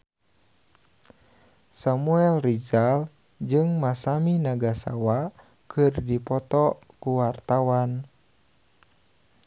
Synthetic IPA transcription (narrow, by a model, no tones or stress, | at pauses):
samuɛlrid͡ʒal | d͡ʒɨŋmasaminaɡasa̰wa | kɨrdipɔt̪ɔ | kuwart̪awan